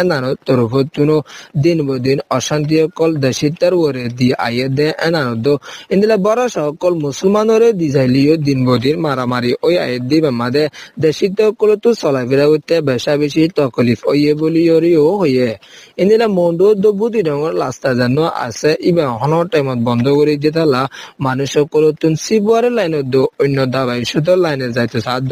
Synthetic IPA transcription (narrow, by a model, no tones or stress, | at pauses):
ɛnanɔt̪ːɔɾufɔt̪ːunɔd̪inbod̪inɔʃant̪̬iɔkːɔld̪ɛʃit̪ːaɾwɔɾed̪iʔa̰jɛd̪ɛʔɛnanɔd̪ɔĩnd̪ilabɔɾaʃaɔkːɔlmusɔlmanɔɾed̪izajlijod̪inbod̪iɾmaɾamaɾiʔoja̰jɛd̪ibamad̪ɛd̪ɛʃit̪ːɔɔkːɔlɔt̪ːusɔlajfiɾaɡot̪ːɛbɛʃabeʃit̪ɔkɔlifojebolioɾioɦoje | ind̪ilamɔɳɖod̪obud̪idɔŋɔɾlast̪azanuaʔa̰sɛʔibaɦɔnɔʈajmɔt̪̚bɔnd̪ʱɔkoɾid̪it̪̬ʰalamanuʃɔkːɔlɔt̪ːunsibuaɾelajnɔd̪oojnːɔd̪abajiʃɔt̪̬ɔlajnezajt̪osad̪